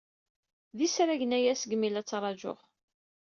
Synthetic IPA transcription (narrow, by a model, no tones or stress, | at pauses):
ðisɾæʝənæjæsɡəmilæt͡sːɾˤɑʒo̰χ